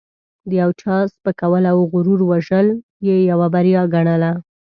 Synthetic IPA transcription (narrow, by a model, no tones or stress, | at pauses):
d̪əjawt͡ʃɑspəkawəlawɣʊɾuɾwaʒəl | jejawabaɾjɑɡaɽəla